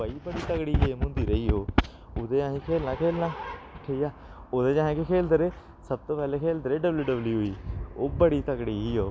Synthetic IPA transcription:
əiːbəɽiːt̪əkɽiːeːmʊ̃nd̪iːɾəiːɦoː | ʊd̪eːãːɦĩːkʰeːlnãːkʰeːlnãːʈʰiaː | oːd̪eːd͡ʒãːẽːkekʰeːld̪əɾeː | səb̚t̪oːpɛːleːkʰeːld̪əɾeːɖəbljuːɖəbljiːɦʊiːoːbəɽiːt̪əkɽiːɦiːɦoː

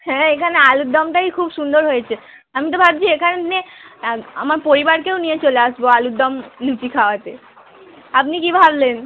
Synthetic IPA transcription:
hɛ̃ekʰanealud̪ːɔmʈajkʰubʃund̪oɾɦojet͡ɕʰe | amit̪̬obʱabd͡ʑiekʰanene | a̰maɾpoɾibaɾkewnijet͡ɕoleaʃboalud̪ɔmlut͡ɕikʰaoat̪e | apnikibʱablen

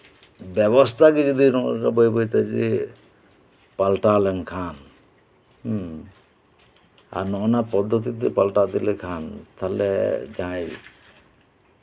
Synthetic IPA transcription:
bɛbɔst̪ʰakid͡ʒɔd̪iɾɔŋɔɾkabɔjbɔjt̪ad͡ʒi | palʈalɛnkʰan | a̰ɾnɔnapɔd̪ʱːɔt̪̬it̪̬ɛpalʈad̪ilɛkʰant̪ʰalɛ̰d͡ʒãj

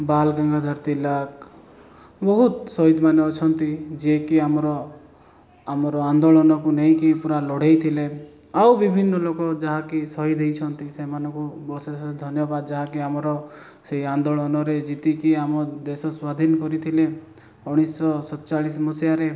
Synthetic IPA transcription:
balɡaŋɡʱad̪ʱaɾt̪ilak | bɔɦut̪sɔɦid̪maneɔt͡ʃʰɔnt̪id͡ʒekiamɔɾɔ | amɔɾɔand̪oɭɔnɔkunejkipuɾalɔɽ̤ejt̪ʰile | awbibʱinːɔlokɔd͡ʒaɦãkisɔɦid̪ʱejt͡ʃʰɔnt̪isemanɔ̃ŋkubɔsed̪ʱɔnjɔbad̪ɔd͡ʒaɦakiamɔɾɔ | seiand̪oɭɔnɔɾed͡ʒit̪ikiamɔd̪esɔswad̪ʱinɔkɔɾit̪ʰile | uɽ̃isɔsɔd̪t͡ʃaɭismɔsjaɾe

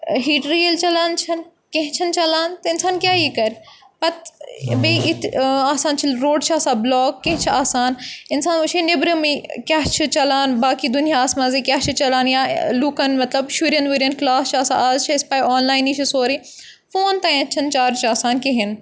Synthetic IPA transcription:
ɦiːʈɾielt͡ʃɐlaːnt͡ʃʰɐn | kẽɦɪ̃t͡ʃʰɐnt͡ʃɐlaːnt̪ɐɪnsaːnkʲjaːiːkɐɾʲ | pɐt̪̚beʔɪt̪ʰaːsaːnt͡ʃʰilɾoːɖt͡ʃʰaːsaːblɔːkːẽɦɪ̃t͡ʃʰiaːsaːnɪnsaːnut͡ʃʰenɪbɾɐmikʲaɦt͡ʃʰit͡ʃɐlaːnbaːkid̪ʊnijaːsmazikʲjaːt͡ʃʰit͡ʃɐlaːnjaːlukɐnmɐt̪lɐbʃuɾjɐnʋiɾiɐnklaːst͡ʃʰaːsaːaːzt͡ʃʰiɪspaːjɔːnlaːjɪnit͡ʃʰisoːɾiː | foːnt̪aiɐ̃t͡ʃʰɐnt͡ʃaːɾt͡ʃʰaːsaːnkeɦɪn

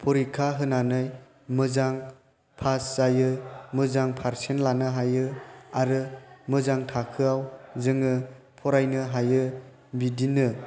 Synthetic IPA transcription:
pʰɔɾikʰaɦɯnanɯj | mɯzaŋ | pʰaszajɯmɯzaŋpʰaɾsenlanɯɦajɯaɾɯmɯzaŋtʰakʰɯawzɯŋɯ | pʰɔɾajnɯɦajɯ | bidinɯ

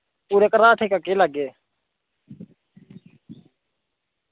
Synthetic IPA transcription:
uːɾekɾaːʈʰekəkeləɡeː

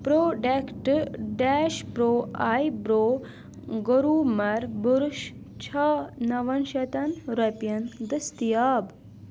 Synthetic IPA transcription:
pɾoːɖekʈɖɛːʃpɾoːaːjbɾoː | ɡoɾuːmɐɾbuɾʃ | t͡ʃʰɐnɐʋɐnʃɐt̪ɐnɾɐpjɐnd̪ɐst̪ijaːb

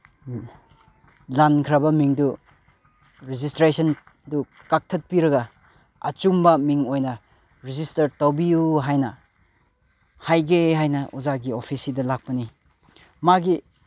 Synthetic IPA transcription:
lankʰɾabɐmiŋdu | ɾizistɾesɐn | du | kak̚tʰɐt̚piɾɐɡɐ | ɐ̰t͡ʃumbɐmiŋojnɐ | ɾizistɐɾtawbijuɦajnɐ | hajɡeɦajnɐʔuzaɡiopʰisidɐlak̚pɐni | maɡi

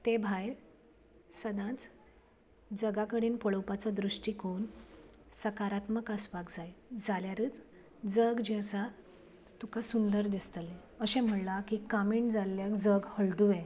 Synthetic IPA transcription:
t̪ebʱajɾ | səd̪ãt͡s | d͡zəɡakəɽiːnpəɭəwpat͡sɔd̪ɾuʂʈikonsəkaɾat̪məkəsʋakd͡zajd͡zaljaɾəːt͡s | d͡zəɡd͡ʑeəsa | t̪ukasund̪əɾd̪ist̪əle | əɕẽm̤əɳlakikamiːɳd͡zalːjakd͡zəɡhəɭʈue

